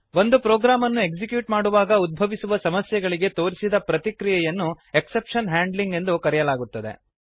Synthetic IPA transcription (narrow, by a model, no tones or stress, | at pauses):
ʋo̞nd̪upɾoːɡɾaːmɐnːue̞kd͡ʒikjuːʈmaːɽuʋaːɡɐud̪̚bʱɐʋisuʋɐsɐmɐsjɛɡɐɭiɡe̞t̪o̞ːɾisid̪ɐpɾɐt̪ikɾijɛjɐnːue̞kse̞pʂɐnɦaːɳɖliŋɡe̞nd̪ukɐɾɛjɐlaːɡut̪ːɐd̪ḛ